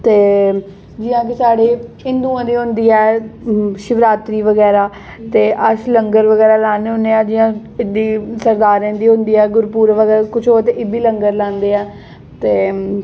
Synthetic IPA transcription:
t̪eː | d͡ʒɪãːk̬ɪsaːɽeːɪ̃nd̪uːãːd̪iːɦʊ̃nd̪iːɛː | ʃɪʋɾaːt̪ɾiːʋəɡɛːɾaː | t̪eːʔət͡ʃləŋɡəɾʋəɡɛːɾaːlãːnːɦʊ̃nd̪eːaːd͡ʒɪːãːɪd̪iːsəɾd̪aːɾẽːd̪iːɦʊ̃nd̪iːɛːɡʊɾpuːɾʋəɡɛːkʊt͡ʃʰoːt̪eʔɪbiːləŋɡəɾlãːnd̪eːɛː | t̪eː

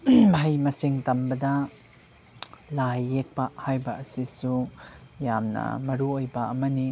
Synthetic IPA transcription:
ɦɐjmɐsiŋtɐmbɐdɐ | lajːek̚pɐhajbɐɐsisujamnɐ̰mɐɾuojbɐɐmɐni

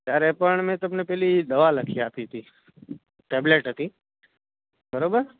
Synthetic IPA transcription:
t̪jaɾepəɳmɛ̃t̪əmnepɛɦlid̪əʋaləkʰiat̪iɦət̪i | ʈebleʈɦət̪i | bəɾobəɾ

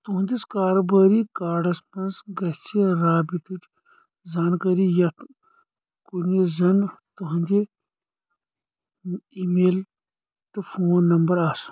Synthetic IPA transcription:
t̪uɦũnd̪ʲiskaːɾobɐːɾikaːɖɐspɐnsɡɐt͡ʃʰiɾaːbit̪uʈ | zaːnkɐɾijɐt̪ʰ | kunezɐnt̪uɦɐnd̪e | imeːl | t̪ɨfʰoːnːɐmbɐɾaːs

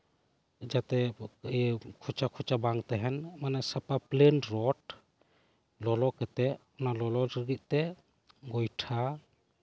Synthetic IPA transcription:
d͡ʒat̪ɛ | kʰut͡ʃakʰut͡ʃabaŋt̪aɦɛnmanasapaplenɾɔt | lɔlɔkɛt̪ɛɔnalɔlɔɾiɡit̪̚ˀt̪ɛ | ɡɔjʈʰa

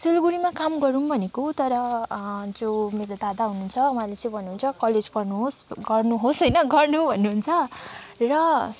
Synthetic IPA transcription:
selɡuɾimakamɡʌɾunbʱʌnekot̪ʌɾʌ | d͡zomeɾod̪ad̪aɦununt͡sʰʌmãlet͡sʌ̃ĩbʱʌnːuɦunt͡sʰʌkʌled͡zpʌrnuɦosɡʌrnuɦosʌjnʌɡʌrnubʱʌnːuɦːnt͡sʰʌrʌ

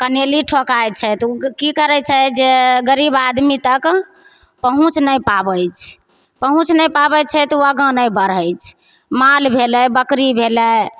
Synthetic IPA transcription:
kəneliʈʰokajt͡ʃʰɛt̪ukikəɾɛt͡ʃʰɛd͡ʒeɡəɾibad̪mit̪ək | pəɦũt͡ʃnəjpabəjt͡ʃʰ | pəɦũt͡ʃnəjpabət͡ʃʰɛt̪uaɡə̃nəjbəɾəjt͡ʃʰ | malbʱelɛbəkɾibʱelɛ

